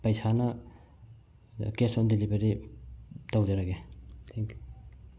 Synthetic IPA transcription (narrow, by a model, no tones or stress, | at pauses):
pɐjsʰanɐ | kesɔndilibeɾi | tawd͡ʒeɾaɡet̪ʰeŋkju